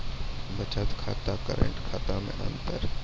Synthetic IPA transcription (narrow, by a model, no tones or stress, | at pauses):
bət͡ʃət̪kʰa̰ːt̪atkəɾə̰̃ɳʈkʰaːt̪amḛ̃ʔə̰̃nt̪əɾ